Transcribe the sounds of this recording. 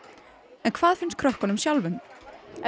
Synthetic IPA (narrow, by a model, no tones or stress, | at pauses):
ɛnkʰv̥aːðfɪns̚kʰɾœhkɔnʏmsjawlvʏm